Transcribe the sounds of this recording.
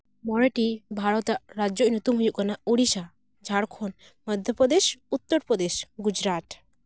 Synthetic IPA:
mɔɽɛʈibʱaɽɔt̪aʔɾad͡ʒjɔʔnut̪umɦujuʔ̚kanaʔuɽisa | d͡ʒʱaɽkʰɔn | məd̪ʱjəpɾɔd̪eʃut̪ːəɾpɾɔd̪eʃɡud͡ʒɾat̪

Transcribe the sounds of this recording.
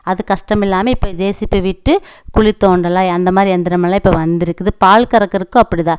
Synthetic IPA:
ɐðɯkɐʂʈɐmɪlːaːmɐɪpːoːd͡ʒeːsɪpːɯʋɪʈːɯkʊɻit̪ːoːɳɖɐlãːɐnd̪ɐmaːd̪ɾiɛnd̪ɪɾɐmɐlːaːɪpːoːʋɐnd̪ɪɾɯkːɯðɯpaːlkɐɾɐkːɪɾɯkːʊ̃ɐpːɐɽit̪ãː

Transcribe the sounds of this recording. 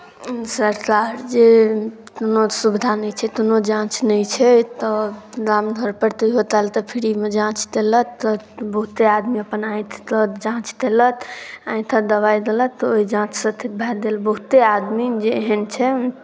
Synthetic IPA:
səɾkaɾd͡ʒe | t̪onosubd̪ʱanəjt͡ʃʰɛt̪onod͡ʒãt͡ʃnəjt͡ʃʰɛt̪ɔd̪amd̪ʱəɾpəɾt̪əiɦot̪alt̪ɔpʰiɾimed͡ʒãt͡ʃt̪elət̪ːɔ | bəɦut̪ead̪miəpənaj̃t̪ʰt̪ɔd͡ʒãt͡ʃt̪elət̪ãj̃t̪ʰəd̪əβajd̪elət̪ːɔoɦid͡ʒãt͡ʃʰsə̃t̪ʰit̪̚bʱɛɾd̪elbəɦut̪ead̪mid͡ʒeɦənt͡ʃʰɛ

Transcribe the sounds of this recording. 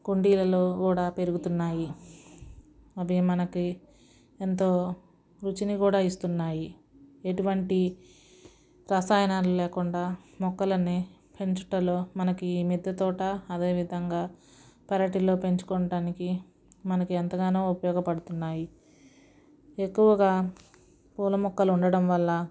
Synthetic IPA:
kuɳɖiːlɐloːkuːɽaːpe̞ɾuɡut̪unːaːji | ɐbʱimɐnɐki | ent̪oː | ɾut͡ʃinikuːɽaːist̪unːaːji | e̞ʈuʋɐɳʈi | ɾɐsaːjɐnaːɾlulɛːkuɳɖaːmɔkːɐlɐne | pe̞ɲt͡ʃuʈɐlo̞ːmɐnɐkiiːmid̪ʱːɐt̪ɔːʈɐːd̪e̞ːʋid̪ʱɐŋɡaː | pɛɾɐʈilo̞ːpe̞ɲt͡ʃu̥kɔɳɐʈaːniki | mɐnɐkiɐnt̪ɐɡaːnoːupɐjɔːɡɐpɐɽut̪unːaːji | e̞kːuʋɐɡaː | puːlɐmɔkːɐluɳɖɐɽɐmʋɐlːɐ

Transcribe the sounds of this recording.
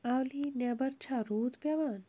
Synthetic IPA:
awlinebɐɾt͡ʃʰaɾuːd̪pjaʋaːn

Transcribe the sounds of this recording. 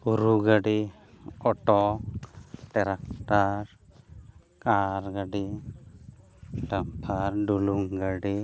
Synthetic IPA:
uɾuɡaɖi | ɔʈɔ | ʈɛɾakʈaɾ | kaɾɡaɖi | ʈampʰaɾɖuluŋɡaɖi

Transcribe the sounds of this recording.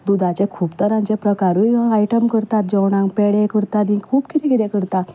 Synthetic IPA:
d̪ud̪ʱat͡ɕekʰuːpt̪əɾãɲt͡ɕepɾəkaɾujaiʈəmkəɾt̪at̪̚d͡ʑɔwɽãŋkpeɽekəɾt̪at̪ĩkʰuːpkit̪ikiɾẽkəɾt̪a

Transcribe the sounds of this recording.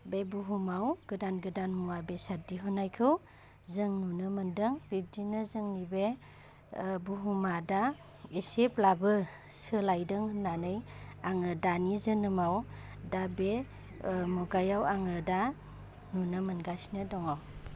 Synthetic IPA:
bebuɦumawɡ̥ɯdanɡɯdanmuabesadiɦɔnajkʰɯw | zɯŋnunɯmɯndɯŋb̥ib̚dinɯzɯŋnibe | buɦumada | iseplabɯ | sɯlajdɯŋhnanɯjaŋɯdanizɯnɯmawdabe | mɔɡajawaŋɯda | nunɯmɯnɡasnɯdɔŋaw

